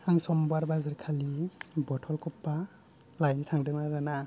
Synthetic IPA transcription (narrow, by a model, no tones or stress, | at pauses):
aŋsɔmbaɾbazaɾkʰalibɔtʰɔlkʰupːa | lajnitʰaŋdɯŋnaɾɯna